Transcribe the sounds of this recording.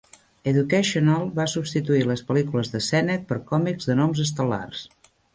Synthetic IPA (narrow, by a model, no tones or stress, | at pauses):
əðukəʃionalˠbasubst̪it̪uiləspəlikuləzðəsɛnət̪̚pəɾkɔmikzðənɔmzəs̬t̪əla̰rs